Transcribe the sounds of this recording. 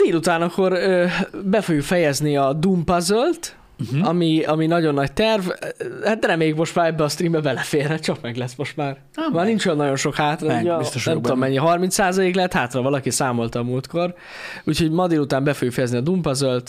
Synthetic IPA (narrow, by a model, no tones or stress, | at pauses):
d̪eːlut̪aːnɒkːo̞røbɛfo̞ɡjukfɛjɛzniɒd̪umpɒzølt̪ | ɒmiɒminɒɟo̞nːɒct̪ɛrvhat̪d̪ɾɛmeːjikmo̞ʃt̪maːɾɛbːɛɒst̪riːmbɛbɛlɛfeːrɦɛt̪t͡ʃɒkmɛɡlɛsmo̞ʃt̪maːr | maːrnint͡ʃojɔnːɒɟo̞nʃo̞khaːt̪rɔɛmit̪oʃnɛmmt̪omːɛɲːiɛɦɒrmint̪saːzɒleːklɛɛt̪haːt̪rɒvɒlɒkisaːmo̞lt̪ɒmult̪ko̞r | ucho̞ɟmɒd̪eːlut̪aːmbɛfojukfɛjɛzniɒd̪umpɒzølt̪